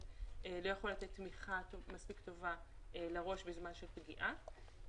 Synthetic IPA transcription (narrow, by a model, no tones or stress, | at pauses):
elo̞jaχo̞lat̪et̪ːmiχatomaspikt̪o̞valeʁo̞ʃbezmanʃelpɡiʔa